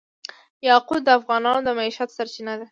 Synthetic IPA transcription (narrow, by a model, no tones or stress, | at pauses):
jɑqud̪̚d̪əafɣɑnɑnod̪əmaiʃat̪saɾt͡ʃinad̪a